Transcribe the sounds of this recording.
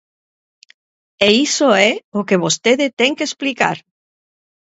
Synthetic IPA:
eisoɛokeβ̞ost̪eðet̪ɛŋkesplika̰ɾ

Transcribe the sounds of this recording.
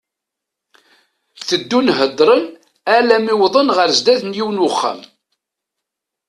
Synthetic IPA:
θəd̪ːunɦəd̪ˤɾˤən | ælæmiwðˤənʁəɾzd̪æðnjiwnwʊχːæ̰m

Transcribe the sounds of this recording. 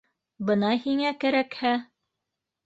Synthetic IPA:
bɤnɑhiŋækæɾækhæ

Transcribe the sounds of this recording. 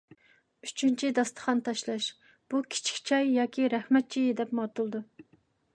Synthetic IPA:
yt͡ʃʰynt͡ʃʰid̪ɑst̪ʰə̥χɑnt̪ʰɑʃlˠɑʃ | b̥ukʲʰɪ̥t͡ʃʰi̥kʲt͡ʃʰɑjːɑːkʲʰiɾɛχmɛt̪̚t͡ʃʰijid̪ɛpmɑt̪ulˠd̪u

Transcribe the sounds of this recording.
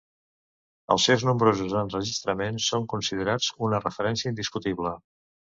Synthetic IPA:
ə̰lˠsɛwznumbɾozuzənrəʒist̪ɾəmensːoŋkunsiðəɾat͡sunərəfəɾɛnsiəind̪iskut̪iβlə

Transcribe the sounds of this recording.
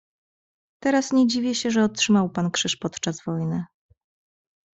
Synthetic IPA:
t̪ɛɾasɲed͡ʑivʲjɛɕɛʐɛɔtʂɘmawpankʂɘʂpɔt̪t͡ʂazvɔjnɘ

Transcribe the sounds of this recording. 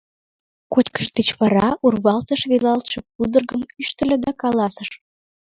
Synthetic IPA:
kotʲkə̥ʃt̪et͡ɕβɑɾɑurβɑlt̪əʃβilɑlt̪ʃĕp̚ud̪ərɣəmyʃt̪ə̆lʲĕd̪ɑkɑlɑsəʃ

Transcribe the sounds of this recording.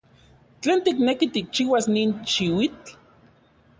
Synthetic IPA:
t͡ɬeːnt̪iknekit̪ik̚t͡ʃiːwasniːnʃiwit͡ɬ

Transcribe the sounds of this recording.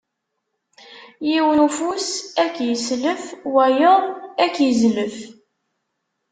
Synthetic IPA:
jiwənufusækːjəsləfwæjəðˤækːjəzləf

